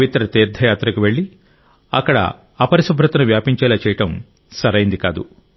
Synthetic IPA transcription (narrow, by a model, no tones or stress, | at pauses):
ʋit̪ɾɐt̪iːɾd̪ʱɐjaːt̪ɾɐkuʋe̞ɭːi | ɐkːɐɽɐ̰ | ɐpɐɾisubʱɾɐt̪ɐnuʋjaːpiɲt͡ʃɛːlaːt͡ʃɛːjɐʈɐm | sɐɾɐjind̪ika̰ːd̪ṵ